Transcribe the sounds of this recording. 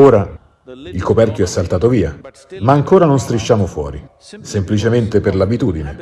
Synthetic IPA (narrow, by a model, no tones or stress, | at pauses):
oːɾa | ilkopɛrkjoɛsːalt̪aːt̪oviːa | maːŋkoːɾanonst̪ɾiʃːaːmofwɔ̰ːɾi | semplit͡ʃement̪eperlabit̪uːd̪ine